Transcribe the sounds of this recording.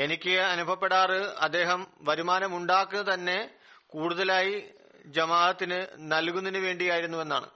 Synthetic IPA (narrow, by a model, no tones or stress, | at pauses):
e̞nikʲːɨɐnubʱɐpːe̞ɽaːrɨɐ̰d̪ːe̞ːɦɐmʋɐɾumaːnɐmuɳɖaːkːunːɐt̪ɐnːe̞ | kuːɽuðɐlaːji | d͡ʑɐmaːlɐt̪ːinɨnɐlkunːinɨʋe̞ːɳɖijaːjiɾunːuʋe̞nːa̰ːɳɨ̰